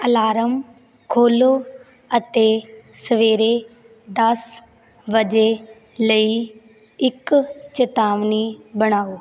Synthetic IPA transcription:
əlaːɾəm | kʰoːloː | ət̪eːsəʋeːɾeː | d̪əs | ʋəd͡ʒeː | ləiː | ɪkt͡ʃət̪aːʋniːbəɽ̃aːoː

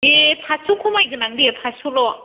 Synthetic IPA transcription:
epʰasukʰumajɡɯnaŋdepʰasulɔ

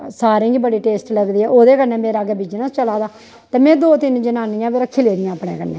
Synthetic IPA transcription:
saːɾĩːɡibəɽiːʈeːsʈləɡd̪iːɛːʔoːd̪eːkənːeːmeːɾaːɡɛːbɪd͡ʒnãst͡ʃəlaːd̪aː | t̪eːmɛ̃ːd̪oːt̪ɪnd͡ʒənaːnijãːbeɾakʰːɪleːd̪ɪjãːəpɽḛːkənːḛ̃ː

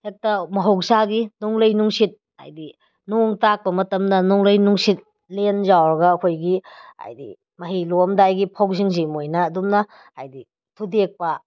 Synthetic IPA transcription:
hek̚tɐmɐɦowksaɡinuŋlɐjnuŋsit̚ | a̰jdi | noŋtak̚pɐmɐtɐmdɐnɔŋlɐjnuŋsit̚ | lenzawɾɐɡɐːkʰojɡia̰jdḭ | mɐɦilomdajɡipʰawsiŋzimojnɐːdumnɐ | ha̰jdi | tʰudek̚pɐ

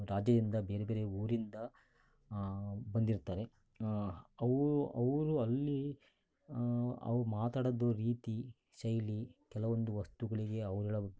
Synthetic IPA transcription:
ɾaːd͡ʒjɐd̪ind̪ɐbe̞ːɾebe̞ːɾe̞uːɾind̪ɐ | bɐnd̪iɾt̪aːɾe̞ | ɐʋɐʋɾuɐlːi | ɐ̰ʋɾumaːt̪aːɽɐd̪oːɾiːt̪i | ʃɐjlikɛlɐʋo̞nd̪uʋɐst̪uɡɐɭiɡe̞ɐʋɾɐɭɐ

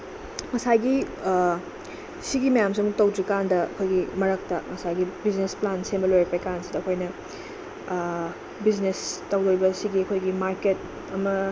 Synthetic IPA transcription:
mɐsajɡi | siɡimɐjamsiɐmutɐwd͡ʒikandɐɐ̰kʰojɡimɐɾɐk̚tɐmɐsajɡibiznesplansembɐlojɾɐpɐekansidɐkʰojnɐ | biznestɐwoɾibɐsiɡiɐkʰojɡimaɾket̚ | ɐmɐ

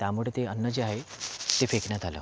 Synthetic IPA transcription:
t̪jamuɭet̪eənːəd͡ʑeaɦet̪efeknjat̪ʰalə̰

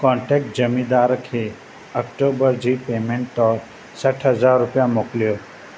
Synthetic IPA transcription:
kɔ̃ːɳʈeːk̚ʈ̚d͡ʒɐmĩd̪aːɾkʰe | ɐkʈoːbəɾd͡ʒiːpeːmẽːɳʈːɔːɾ | səʈʰɦɐzaːɾːʊpjãmoːklijoː

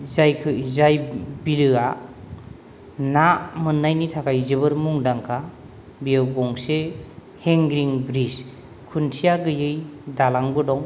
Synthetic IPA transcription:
zajkʰɯzajbilɯa | namɯnːajnitʰakʰajzɯbɯɾmuŋdaŋkʰa | bijawɡɔŋse | heŋɡɾiŋbɾis | kʰuntʰijaɡɯjɯjdalaŋbɯdɔŋ

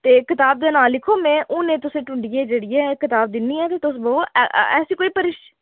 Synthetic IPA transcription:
t̪eːkɪt̪aːb̚d̪eːnaːllɪkʰoːmɛ̃ːʔʊnẽːt̪ʊsẽːʈʊɳɖieːd͡ʒeːɽiːɛːkɪt̪aːb̚d̪ɪnːiːɛːt̪eːt̪ʊs̬bəoːʔɛːsiːkoːiːpəɾɪʃ

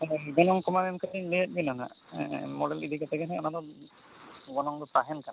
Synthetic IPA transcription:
iɡɔnɔŋkɔmamɛmkʰalilet̚ˀbinɔna̰ | mɔɖɛlid̪iɡɔt̪ʰɛkɛnɛɔnad̪ɔ | ɡɔnɔŋd̪ɔpaɦɛnkana

